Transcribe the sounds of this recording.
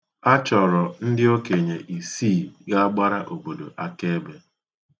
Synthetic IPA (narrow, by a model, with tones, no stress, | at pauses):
a˦t͡ʃɔ˨ɾɔ˨n̩˦dɪ˦o˦ke˨ɲe˨ʔi˨siː˦˨ɡa˦a˦ɡ͡ba˦ɾa˦ʔo˨bo˨do˨ʔa˦ke˦e˦be˦